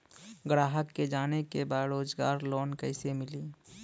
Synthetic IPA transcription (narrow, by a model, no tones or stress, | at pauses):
ɡɾaːɦəkːed͡ʒaːnekebaːɾoːd͡ʒɡa̰ːɾlɔːnkəɪsemɪliː